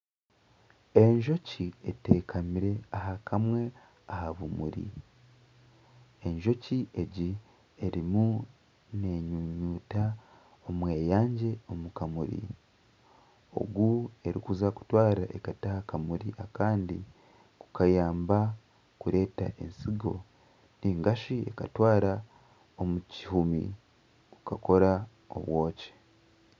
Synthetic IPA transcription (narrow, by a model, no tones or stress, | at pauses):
e̞ɲʒo̞cieteːkʰamiɾe̞aɦakʰamwe̞ | ahaβumṵɾḭ | e̞ɲʒo̞ciʔe̞ɟi | eɾimu | ne̞ɲuɲuːta | omweːjaːɲɟe̞o̞mukamuɾḭ | o̞̰ɡue̞ɾikuzaku̥twaːɾaʔekatahakamuɾiʔakaːndi | ku̥kajaːmba | kuɾe̞ːta̰ʔe̞̰nsiɡo̞̰ | niŋɡaʃie̞katwaːɾa | o̞mucihumḭ | kukako̞ɾa | o̰βwo̞ːce̥